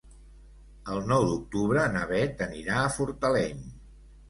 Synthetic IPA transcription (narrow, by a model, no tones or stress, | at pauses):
əlˠnɔwd̪uk̚t̪uβɾənəβɛt̪əniɾaəfuɾt̪əlɛɲ